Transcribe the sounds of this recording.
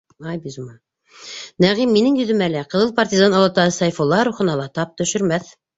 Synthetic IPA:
ɑjbizumɑ | næʁimːinɘŋjɵ̆ðɵ̆mælæqɤ̆ðɤlˠpɐrt̪ʲizɑnɑlˠɑt̪ɑɤsɑjfolˠɑɾuχɤ̆nɑlˠɑt̪ɑp̚t̪ɵ̆ʃɵ̆ɾmæθ

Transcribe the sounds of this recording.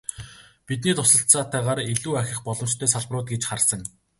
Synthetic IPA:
pit̪̬niːt̪ʰʊsə̆ɬt͡saːt̪æːʁaːɾiɮuːæxʲɪ̆χpɔɮɞ̆mt͡ɕt̪ʰœːsaɮprʊːt̪̚ɡet͡ɕχarsə̆ŋ

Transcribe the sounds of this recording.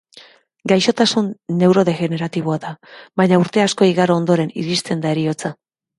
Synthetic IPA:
ɡajʃo̞t̪asunːe̞wɾo̞ðe̞ɣe̞ne̞ɾat̪iβ̞o̞aðaβaɲauɾt̪e̞asko̞iɣaɾoond̪o̞ɾe̞nḭðist̪e̞nd̪ae̞ɾio̞t͡sa

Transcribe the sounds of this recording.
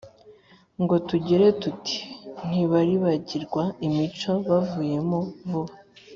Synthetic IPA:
ŋɡo̞tuɟe̞ɾe̞tuti̥n̥iβaɾiβaɟiɾɡwaimit͡ʃo̞βavuːje̞movuβa

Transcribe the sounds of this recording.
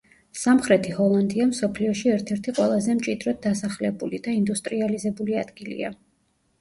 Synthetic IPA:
samχɾɛt̪ʰihɔlˠand̪iamsɔpʰliɔʃiɛɾt̪ʰɛɾt̪ʰiqʼwɛlˠazɛmt͡ʃʼid̪ɾɔd̪̚d̪asaχlɛbulid̪aind̪ust̪ʼɾializɛbulia̰d̪̥ɡilḭa̰

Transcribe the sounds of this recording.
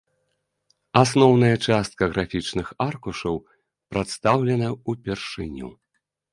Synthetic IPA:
asnɔwnɐjɐt͡ʂast̪̚kɐɣɾafʲit͡ʂnɨxarkuʂɐw | pɾat̪st̪awlʲɛnɐupʲɛrʂɨnʲṵ

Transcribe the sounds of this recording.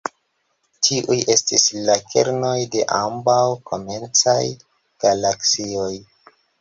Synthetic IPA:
tʰiʔuje̞stislakʰe̞̰ɾno̞jde̞ʔambawkʰo̞ment͡saj | ɡ̥alaksio̞j

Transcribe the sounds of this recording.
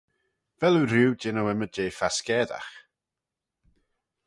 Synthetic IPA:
vɛlˠurɪwdɪnawɛmədejfaskɛda̰χ

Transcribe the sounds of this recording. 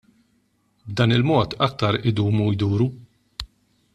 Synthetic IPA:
bd̪ɐːnɪlmɔːt̪ɐk̚t̪ɐɾʔɪd̪uːmujd̪uːɾu

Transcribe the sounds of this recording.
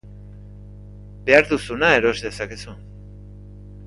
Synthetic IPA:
be̞aɾðusunae̞ɾo̞ezðe̞sake̞su

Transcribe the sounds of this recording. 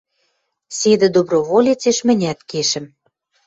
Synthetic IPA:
sed̪ɘ̆d̪obroβolʲet͡seʃmɘ̆nʲæt̪keʃɘ̆m

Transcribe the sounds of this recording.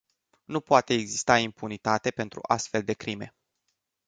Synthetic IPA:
nupoat̪e̞ːɡzist̪aimpunit̪at̪e̞pe̞nt̪ɾṵʔa̰st̪fe̞ld̪e̞kɾime̞̰

